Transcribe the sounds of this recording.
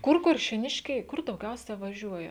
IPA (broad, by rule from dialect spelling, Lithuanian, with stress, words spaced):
ˈkʊr kʊrʲʃʲeːˈnʲɪʃʲkʲɛɪ ˈkʊr dɐʊˈɡʲɛʊsʲɛ ʋɐˈʒʲuɔjɛ